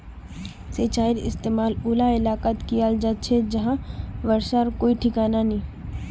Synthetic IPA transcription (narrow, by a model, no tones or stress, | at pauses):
seːt͡ʃaːɪɾɪ̰st̪eːmaːlʊːlaɪlaːkət̪kiaːld͡ʒat͡ʃʰed͡ʒɐɦãʋɐɾʃaɾkoːiʈʰɪkaːnanĩː